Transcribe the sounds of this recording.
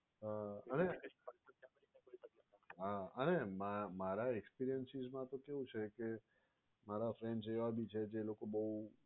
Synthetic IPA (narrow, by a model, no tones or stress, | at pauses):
ɦaəne | aiiəaaɦaənemamaɾaɛkspiɾijənsizmãt̪okeʋũt͡ʃʰeke | maɾafɾɛ̃ɳɖzeʋabʱit͡ʃʰed͡ʒelokobəɦu